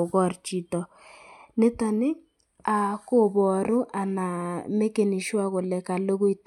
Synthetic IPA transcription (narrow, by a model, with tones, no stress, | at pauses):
ɣɔ˦˨rt͡ʃi˨tɔ˨ | nɪ˦ta˨nɪ˦ | a˨ko˦˨bɔ˨ɾʊ˦ʔa˨na˨me˦ke˨ni˨ʃwa˦ɣʊ˨lɛ˨ka˨lo˦ɣʊ˦i˦t